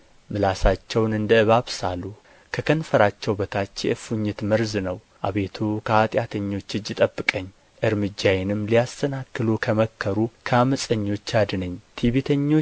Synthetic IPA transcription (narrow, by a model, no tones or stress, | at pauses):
mɨlasat͡ʃːɛwnɨnd̪əɨβaβsalu | kʰəkʰənfəɾat͡ʃːɛwbət̪ʰat͡ʃːjɛ̰ʔɨfuɲːɪt̪məɾznəw | ʔa̰βe̞t̪ʰukʰəat̪ʼjat̪ʰəɲːo̞t͡ʃːɨd͡ʒːɪt̪ʼəbːɨkʼəɲː | ʔɨɾmɨd͡ʒːajɛnɨmːlijast̪ʰənakːɨlukʰəməkʰːəɾukʰəaməsʼəɲːo̞t͡ʃːad̪nəɲːt̪ʰiβet̪ʰəɲːo̞